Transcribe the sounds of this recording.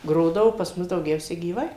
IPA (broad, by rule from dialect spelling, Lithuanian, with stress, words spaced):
ˈɡroːdɐʋoː pɐs ˈmʊs dɐʊˈɡʲɛʊsʲɛ ɡʲiːˈʋɐɪ